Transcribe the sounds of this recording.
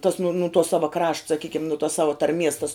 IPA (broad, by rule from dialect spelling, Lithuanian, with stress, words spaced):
tɐs nʊ nʊ tuɔ ˈsɑːʋɐ krɐʃt sɐˈkʲiːkʲɪm nʊ tuɔs ˈsɑːʋɐ tɐrʲˈmʲiɛs tɐs